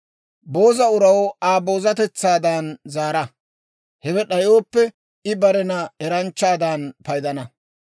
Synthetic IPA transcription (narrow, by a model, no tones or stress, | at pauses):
bo̞ːzɐʊɾɐwaːbo̞ːzɐt̪ɛt͡sːaːd̪ɐnzaːɾɐ | hɛwɛɗɐjo̞ːpːɛ | ɪbɐɾɛnɐɛɾɐnt͡ʃːaːd̪ɐnpɐjd̪ɐnɐ